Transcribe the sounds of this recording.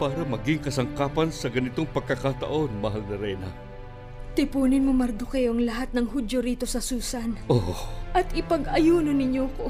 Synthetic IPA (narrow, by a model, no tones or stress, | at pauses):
paːɾɐmɐɡɪŋkɐsɐŋkaːpɐnsɐɡɐnɪt̪o̞ŋpɐɡ̚kːɐkat̪ɐ̰ʔo̞nmɐɦalnɐɾɛjnɐ | t̪ɪpuːnɪnmomɐɾd̪okɐjo̞ʔɐŋlɐɦat̪̚nɐŋɦud̪jo̞ɾiːt̪o̞sɐsuːsɐnʔoʔɐt̪ɪpɐɡʔɐjuːnonɪɲjoko